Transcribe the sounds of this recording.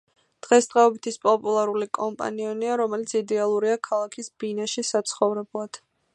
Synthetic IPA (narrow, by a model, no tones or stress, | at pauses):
d̪̥ʁɛsd̪̥ʁɛɔbit̪ʰispʼɔpʼulˠaɾulikʼɔmpʼa̰niɔniaɾɔmɛlit̪sʰid̪ɛalˠuɾiakʰalˠakʰisbinaʃisat̪sʰχɔvɾɛblˠad̪̥